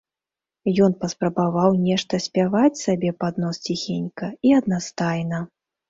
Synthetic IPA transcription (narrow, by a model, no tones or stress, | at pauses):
jɔnpɐspɾɐbavawnʲɛʂt̪ɐsʲpʲavat͡sʲsabʲɛpad̪nɔst͡sʲixʲenʲkɐiɐd̪nast̪ajnɐ